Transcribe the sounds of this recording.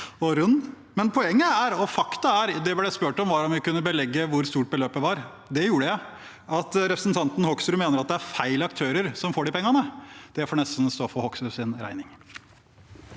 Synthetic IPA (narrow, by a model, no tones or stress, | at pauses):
ɔɾʉnː | mɛnpʰɔɛŋːəæɾɔfɑkt̪ɑæɾd̪ɛblɛspøːʈɔmʋɑɾɔmʋɪkʉnːəbəlɛɡːəʋʊɾst̪uːʈ̚bəløːp̚d̪ɛʋɑɾ | d̪ɛjuːɾəæ | ʔɑt̪ɾɛpɾəsnt̪ʰɑnt̪n̩hɔksɾʉːmeːnəɾɑt̪̚d̪ɛæɾfæɪlɑkt̪ʰøːɾəɾsɔmfoːɖɪpʰɛŋːɑnəd̪̥ɛfɔɳɛst̪n̩st̪oːfɔhɔksɾʉːsɪnɾæ̰ɪnɪŋ